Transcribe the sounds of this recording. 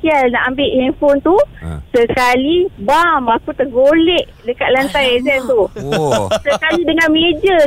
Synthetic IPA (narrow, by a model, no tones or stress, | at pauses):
kialna̰ʔambɪʔinfont̪usəkalibamakut̪əɡolɛʔ | dəkaʔ̪̚lant̪ajɛzɛnt̪u | səkalidəŋãnmed͡ʒə